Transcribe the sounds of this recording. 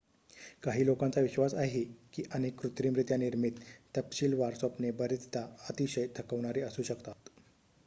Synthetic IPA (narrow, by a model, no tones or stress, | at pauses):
kaɦiːlokant͡saʋiɕʋasaɦekiːʔənekːɾut̪ɾiːmɾit̪janiɾmit̪ːəpɕiːlʋaɾsopnebəɾit̪t̪aət̪iɕəjt̪ʰəkəʋɽ̃aɾiːəsuːɕəkt̪at̪